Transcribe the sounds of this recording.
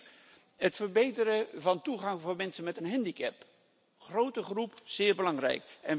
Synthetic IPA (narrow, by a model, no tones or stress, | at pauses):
ɦətfəɹbejtəɾəvɑntuχɑŋvʊːɹmɛnsənmɛtənɦɛndikɛp | χrowtəχrupz̥ɪːɹbəlɑŋrɛ̰jkɛn